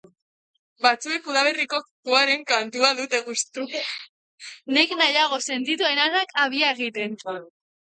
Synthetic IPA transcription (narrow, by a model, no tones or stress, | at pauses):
bat͡sue̞kuðaβe̞riko̞kt̪uaɾe̞ŋkant̪uaðut̪e̞ɣust̪u | neknajaɣ̞o̞se̞nt̪it̪ue̞naðakaβ̞iae̞ɣ̞it̪e̞nt͡s